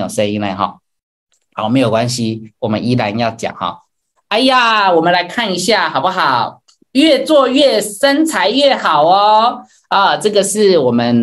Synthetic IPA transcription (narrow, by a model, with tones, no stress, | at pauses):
jo˨˩ʂə˥˦ni˧˥ŋnla̰˧ɪxɑ̰˨˩˦ | ʊme˧˥ɪjo˨˩ʊkwa˦nɕi˧wɔ˨˩mə̰˦ni˦la˧˦njɑ˥˩ʊt͡ɕjɑ̰˨˩ŋhɔ̰˥˩ | a˧˩ɪ˦ja˥˨wɔ˨˩mə˦nla˧˥ɪkʰa˥˩ni˧˥ɕja˥˩xɑ˨˩pu˦˩xɑ˨˩˦ʊ | ɥɛ˥˧t͡swɔ˥˧ɥɛ˥˩ʂə˥nt͡sʰa˧˥ɪɥɛ˥˩xɑ˨˩ʊɔ˦ | ə˥˩ʈ͡ʂɤ˥˩ɡə˨ʂɻ̩˥˩wɔ˨˩mə˦n